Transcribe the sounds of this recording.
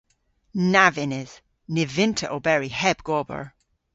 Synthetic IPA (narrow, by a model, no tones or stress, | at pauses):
navɪnɪz̥ | nɪvɪ̃ntʰəʔobɛɹihɛbɡ̥ɔbə̰ɹ